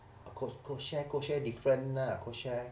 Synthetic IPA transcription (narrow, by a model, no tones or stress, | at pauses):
kʰokʰoʃɛkoʃɛdifɹə̃nnakʰoʃɛ